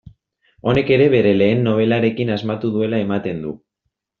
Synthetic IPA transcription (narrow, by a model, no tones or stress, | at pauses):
o̞ne̞ke̞ɾe̞βe̞ɾe̞le̞ːnːo̞β̞e̞laɾe̞kinazmat̪uðue̞lae̞mat̪e̞nd̪ṵ